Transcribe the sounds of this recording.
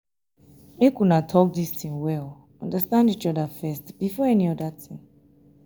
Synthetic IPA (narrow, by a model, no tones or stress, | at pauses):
ekunatʰɔk̚distʰĩŋwɛl | ɔ̃ndəstãndit͡ʃɔdafɛstb̥ifɔɛniɔdatʰĩŋ